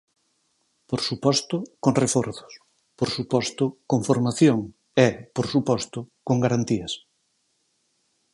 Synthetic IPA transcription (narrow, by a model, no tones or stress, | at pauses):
poɾsupɔst̪ʊkoŋrefoɾθʊ̥s | poɾsupɔst̪ʊkoɱfoɾmaθjoŋ | ɛpoɾsupɔst̪ʊkoŋɡaɾant̪iɐs